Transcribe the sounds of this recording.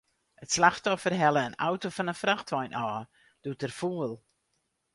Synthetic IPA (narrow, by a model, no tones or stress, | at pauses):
ətslaxtɔfərɦɛləːna̰wtofɔnənfraxtʰʋɔjnʔɔː | d̥utərfuəlˠ